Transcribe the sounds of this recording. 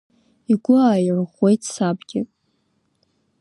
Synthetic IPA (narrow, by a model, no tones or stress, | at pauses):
iɡʷʊaːjʕʷχʷwe̞jtʰʼsabɡʲɪ̰